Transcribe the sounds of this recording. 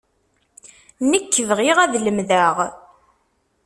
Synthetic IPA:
nəkːəvʁiʁæðləmðæʁ

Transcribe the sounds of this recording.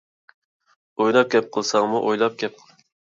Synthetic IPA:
ojlˠɑp̚kʲɛp̚qʰəlˠsɑŋmuʔojlˠɑp̚kʲɛp̚

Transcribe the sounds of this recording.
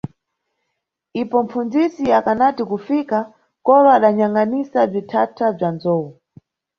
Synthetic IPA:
ipɔm̩fund͡zisiakanatikufika | kɔɾɔaɗaɲaŋɡanisab͡ʐitʰatʰab͡ʐanzɔːwu

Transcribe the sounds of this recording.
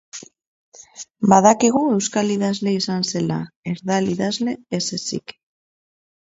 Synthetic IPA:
baðakiɣue̞wskaliðazle̞isanse̞lae̞ɾðaliðazle̞esesḭk

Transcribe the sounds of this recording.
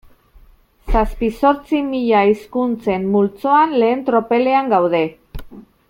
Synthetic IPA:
saspiso̞ɾt͡simiʎaiskunt͡se̞mːult͡so̞anle̞ːnt̪ɾo̞pe̞le̞aŋɡawðe̞

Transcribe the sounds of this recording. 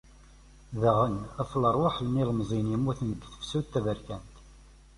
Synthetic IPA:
ðəʁənæflərˤwaħəlniləmzˤinjəmːuθnəɡθə̥fsut̪ːævəɾkænt̪

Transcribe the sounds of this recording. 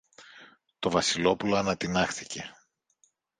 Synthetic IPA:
t̪o̞vɐsilo̞puloɐnɐt̪inɐxθice̞

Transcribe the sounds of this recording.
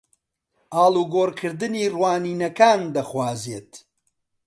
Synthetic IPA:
ʔaːlˠuːɡoːɾkʰɨɾd̪ɨniːrwaːniːnɐkaːnd̪ɐχwaːzeːt̪

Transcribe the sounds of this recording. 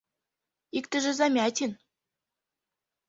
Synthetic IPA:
ikt̪ɘ̆ʒɘ̆zɑmʲæt̪ʲin

